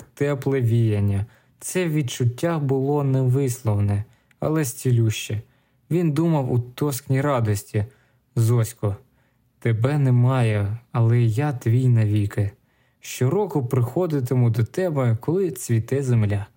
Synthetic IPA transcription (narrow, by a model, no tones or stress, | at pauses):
t̪ɛplˠɛʋʲijɐnʲːɐ | t̪sɛʋʲid̪̚t͡ʃʊtʲːabʊlˠɔnɛʋɪslˠɔwnɛ | ɐ̰lˠɛsʲt͡sʲilʲuʃt͡ʃɛ | ʋʲind̪umɐwut̪ɔsknʲiɾɑd̪ɔsʲtʲi | zɔsʲkɔ | t̪ebɛnɛmɑjɛɐlˠɛjat̪ʋʲijnɐʋʲikɪ | ʃt͡ʃɪɾɔkʊpɾɪxɔd̪ɪt̪ɪmʊd̪ɔt̪ɛbɛkɔlˠɪt͡sʲʋʲit̪ɛzemlʲa